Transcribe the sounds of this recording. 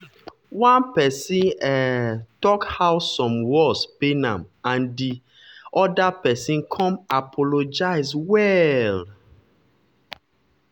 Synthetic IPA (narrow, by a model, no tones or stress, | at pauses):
wãnpɛsĩnɛtɔkhawsɔ̃mwɔspenãmãndi | ɔdapɛsĩnkʰɔ̃mapʰɔlod͡ʒaɪswɛl